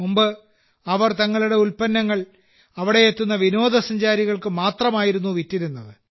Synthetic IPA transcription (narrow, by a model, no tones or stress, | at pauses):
mumbɨ | ɐʋɐrt̪ɐŋːɐɭuɽe̞ulpɐnːɐŋːɐɭ | ɐʋiɽe̞jet̪ːunːɐʋino̞ːd̪ɐsɐɲd͡ʑaːɾiɣɐɭkɨmaːt̪rɐmaːjiɾunːuʋitːiɾunːɐðɨ